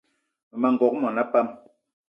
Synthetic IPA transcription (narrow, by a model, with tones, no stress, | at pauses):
ma˨ŋ̩˨ɡɔ˨k̚mɔ˨na˦pa˦m